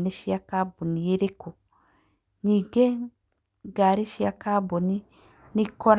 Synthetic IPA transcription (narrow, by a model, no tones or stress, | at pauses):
neʃiakabonieɾeku | ɲiɡe | ɡaɾiʃiakaboni | nikɔɾ